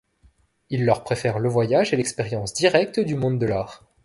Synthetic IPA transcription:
ilːœʁpχefɛʁləvwajaʒelɛkspeʁjɑ̃sd̪iʁɛk̚t̪d̪ymɔ̃d̪d̪əlaːʁ

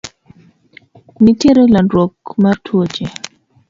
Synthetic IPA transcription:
niteɾelandɾokmartʰwot͡ʃe

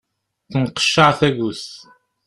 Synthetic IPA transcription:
θənqə̥ʃːəʕθæɣus

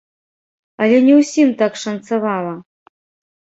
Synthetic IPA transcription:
ɐlʲɛnʲɛwsʲimt̪akʂɐnt̪sɐvalˠɐ

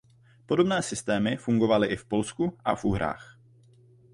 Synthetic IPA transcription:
po̞do̞bnɛːsɪst̪ɛːmɪfuŋɡo̞valɪʔɪfpo̞lskuʔa̰fʔuɦɾa̰ːx

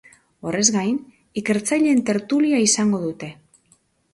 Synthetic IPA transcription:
o̞re̞zɡajn | ike̞ɾt͡sajʎe̞nt̪e̞ɾt̪uliaisaŋɡo̞ðut̪e̞

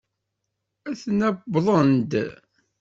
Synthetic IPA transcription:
æθnæbðˤənd̪

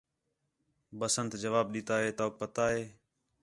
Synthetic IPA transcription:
bəsənt̪d͡ʒəʋaːb̚ɗɪːt̪aːɦeːt̪oːk̚pət̪aːɦeː

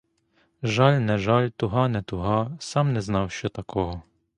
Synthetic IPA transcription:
ʒɑlʲnɛʒɑlʲt̪ʊɦɑnɛt̪ʊɦɑsɑmnɛznɑwʃt͡ʃɔt̪ɐkʰɔɦɔ

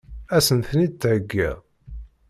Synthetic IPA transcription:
æsənθnid̪̚t̪ːʕəɡːḭʁ

